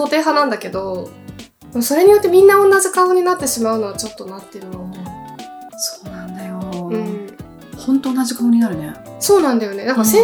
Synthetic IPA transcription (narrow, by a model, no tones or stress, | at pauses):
o̞ːt̪e̞ːɦanãnd̪ake̞d̪o̞ | d̪emso̞ɾe̞ɲ̟ijo̞t̪ːe̞mʲĩnːaõ̞nːaʑikaoɲ̟inat̪ːe̞ɕimaɯ̟no̞βat͡ɕo̞t̪ːo̞nat̪ːeɾɯ̟no̞ | so̥ːnãnd̪ajoɯ̟̃ɴ | hõnt̪o̞ːnːaʑikaoɲinaɾɯ̟ne | so̞ːnãnd̪ajo̞ne̞d̪ãŋkasẽ